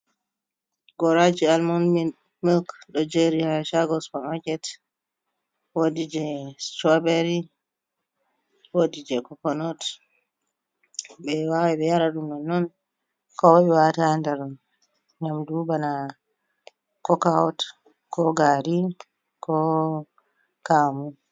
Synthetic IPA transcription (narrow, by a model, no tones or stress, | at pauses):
ɡɔɾad͡ʒialmɔnmi | milkɗɔd͡ʒeɾiaʃaɡɔspɔnakɛt | wodid͡ʒɛstabeɾi | wodid͡ʒɛkɔkɔnɔt | bɛwawɛɓɛjaɾaɗumnɔnːɔn | kɔwaɓɛwatandɛɾ | ɲamdubana | kɔkawɔt | kɔɡaɾi | kʰɔ | kaːmu